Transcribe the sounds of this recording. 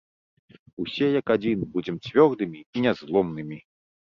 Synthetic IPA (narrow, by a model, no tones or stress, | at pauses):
usʲɛjɐkad͡zʲinbud͡zʲɛmt͡sʲvʲɔrd̪ɨmʲiinʲɛzlˠɔmnɨmʲi